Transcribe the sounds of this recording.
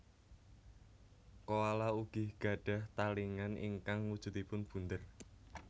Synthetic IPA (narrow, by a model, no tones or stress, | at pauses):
kowalauɡ̥ɪhɡ̥ä̤ɖ̥a̤ht̪aliŋanḭŋkaŋwud̥ʒ̥ṳt̪ipʊnb̥ṳnd̪ər